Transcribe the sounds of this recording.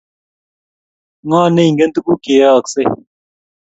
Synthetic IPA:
ŋãːnẽiŋɡɐ˦nt̪u˦ku˦ke˨aː˦kse

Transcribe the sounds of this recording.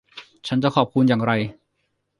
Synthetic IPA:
t͡ɕʰa˦˥nt͡ɕa˨˩kʰɔː˨˩p̚kʰu˧njaː˨˩ŋɾa˧j

